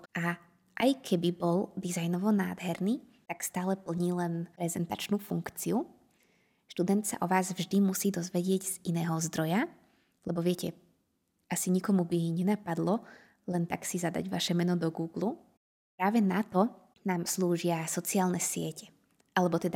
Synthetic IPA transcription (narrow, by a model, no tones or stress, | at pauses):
ʔa | ʔajkʰɛbibɔld̪izajnɔʋɔnaːd̪ɦɛɾniːt̪akst̪aːlɛpl̩ɲiːlɛnɾɛzɛnt̪at͡ʃnuːfuŋkt͡siu | ʃt̪ud̪ɛnt̪sa̰ʔɔʋaːzvʒd̪imusiːd̪ɔzʋɛɟɪɛɟz̥inɛːɦɔzd̪ɾɔja | lɛbɔʋɪɛcɛ | ʔasiɲikɔmubiɲɛnapad̪lɔ | lɛnt̪a̰ksizad̪a̰ɟʋa̰ʃɛmɛnɔd̪ɔɡuːɡlu | pɾaːʋɛnat̪ɔ | naːmsluːʒɪasɔt͡siaːlnɛsɪɛcɛ̥ | ʔalɛbɔt̪ɛd̪a